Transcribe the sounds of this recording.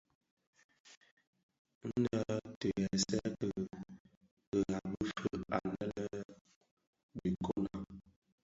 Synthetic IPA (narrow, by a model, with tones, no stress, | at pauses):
n̩˦də˦tə˨ɛ˨sɛ˦kə˨ | kə˨a˨bə˦fə˦a̰˨lə˦lə˦ | bi˨ko˦na˦